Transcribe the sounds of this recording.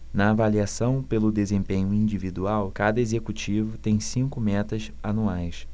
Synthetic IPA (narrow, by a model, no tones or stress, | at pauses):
nɐːvaliasɐ̃w̃pelʊd̪ezẽmpẽɲʊĩd͡ʒivid̪uawkad̪ɐezekut͡ʃivʊt̪ẽj̃sĩŋkʊmɛt̪ɐz | anuajs